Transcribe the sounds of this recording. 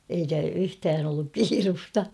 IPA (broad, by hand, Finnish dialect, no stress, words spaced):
eikæ yhtæːn olːuk kiːrustɑ